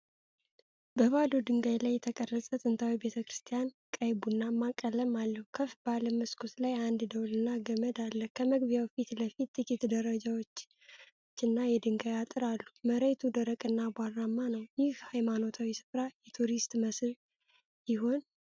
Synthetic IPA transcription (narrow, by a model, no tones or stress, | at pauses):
bəβad̪od̪ɨŋɡajlajːɛt̪ʰəkʼərəsʼət̪ʼɨnt̪ʰawibe̞t̪ʰəkɾɨst̪ʰijan | kʼəjbunːamakʼːələmalːəhukʰəfbaləməskʰoslajand̪d̪əwlɨnːaɡəməd̪alːəkʰəməɡbijawfit̪ləfit̪ːɨt͡ʃʼːɪt̪d̪əɾəd͡ʒawo̞t͡ʃː | t͡ʃːɨnːajɛd̪ɨŋɡajat̪ʼɨɾalːuməɾet̪ʰud̪əɾəkʼɨnːabʷaramːanəwjɪhhajmano̞t̪ʰawisɨ̥fɾajɛt̪ʰuɾist̪ʼməsl | jɪɦo̞n